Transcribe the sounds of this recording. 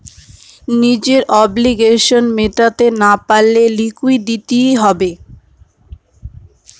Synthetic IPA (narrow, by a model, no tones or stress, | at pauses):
nid͡ʑeɾʔɔbliɡeʃonmeʈat̪enapalːelikuid̪it̪ijɦɔbe